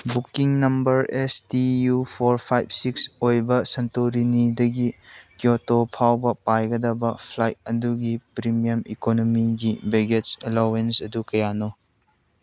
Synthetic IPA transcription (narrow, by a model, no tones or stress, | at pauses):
bukiŋnɐmbɐɾestijupʰoɾpʰajb̚siksojbɐsɐntoɾinidɐɡikjotopʰawbɐpajɡɐdɐbɐpʰlajt̚ɐduɡipɾimijɐmikonomiɡibeɡet͡ʃelawensɐdukɐjano